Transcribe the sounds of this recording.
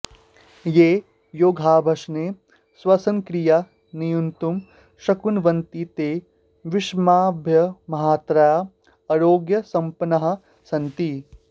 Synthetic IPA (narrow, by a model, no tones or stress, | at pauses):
jeː | joːɡʱaːbʱɐʃne | swɐsɐ̃ŋkɾija | nijunt̪um | ʃɐkunʋɐnt̪it̪eː | ʋɪʃmaːbʱjɐmɐɦaːt̪ɾaja | ɐɾoːɡjɐsɐ̃mpɐnɐɦɐ̆ | sɐ̃nt̪i